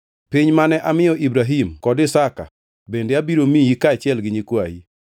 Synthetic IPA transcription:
piɲmanɛʔamɪjɔʔibɾaɦimkɔdɪsaka̰ | bendeabiɾomijikat͡ʃjɛlɡɪɲikwaji

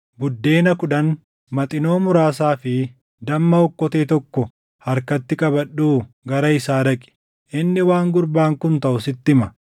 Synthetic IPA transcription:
bʊd̪ːe̞ːnɐkʊᶑɐn | mɐt̪ʼɪno̞ːmʊɾaːs̬aːfɪ | d̪ɐmːɐɔkːɔt̪eːt̪ɔkːɔ | hɐɾkɐt̪ːɪkʼɐbɐɗːuː | ɡɐɾɐɪsaːɾɐkʼɪ̥ | ʔɪnːɪwaːŋɡʊɾbaːŋkʊnt̪ɐʔʊsɪt̪ːɪmɐ

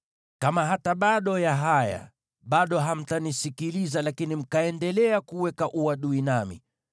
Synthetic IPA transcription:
kamaɦataɓaɗɔjaɦaja̰ | ɓaɗɔɦam̩tanisikilizalakinim̩kaɛndɛlɛakuwɛkaʔuwaɗuinamḭ

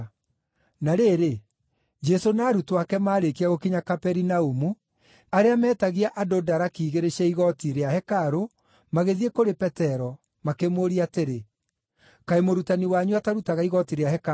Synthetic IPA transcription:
naɾeɾe | d͡ʒɛsonaːɾutwakɛmaːɾekiaɣokiɲakapɛɾinaumu | aɾeamɛːtaɣiaʔadodaɾakiːɣeɾeɕɛiɣɔtiɾeahɛkaɾo | maɣeðiekoɾepɛtɛɾɔ | makemoːɾiateɾe | kaemoɾutaniwaɲuataɾutaɣaiɣɔtiɾeahɛk

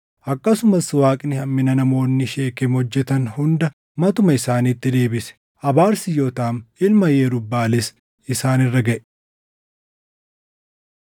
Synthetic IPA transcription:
ʔɐkːɐsʊmɐswaːkʼɪnɪhɐmːɪnɐnɐmo̞ːnːɪʃe̞ːkʼɪmhɔd͡ʒːɛt̪ɐnhʊnd̪ɐ | mɐt̪ʊmɐɪsaːniːt̪ːɪd̪e̞ːbɪsɛ̥ | ʔɐbaːɾsɪjoːt̪aːmɪlmɐjeːɾʊbːaːlɪs | ɪsaːnɪrːɐɡɐʔɛ̥

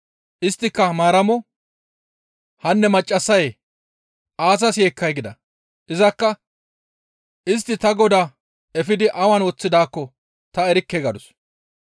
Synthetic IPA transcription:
ʔɪst̪ːɪkːɐmaːɾɐmɔ | hɐnːɛmɐt͡ʃʼːɐsːɐj | ʔaːs̬ɐsjeːkːɐjɡɪd̪ɐ̰ | ʔɪzɐkːɐ | ɪs̬t̪ːɪt̪ɐɡɔd̪a | ɛfɪd̪ɪʔɐwɐnwɔt͡sːɪd̪aːkːɔ | t̪ɐɛɾɪkːeɡɐd̪ʊs

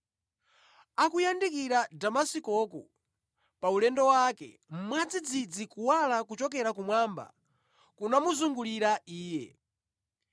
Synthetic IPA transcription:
akujandikiɾadamasikɔkṵ | paulɛndɔwakɛ̰ | m̩mwad͡zid͡zid͡zikuwalakut͡ʃɔk̬ɛɾakumwaːmba̰ | kunamuzuŋɡuliɾaiːjɛ

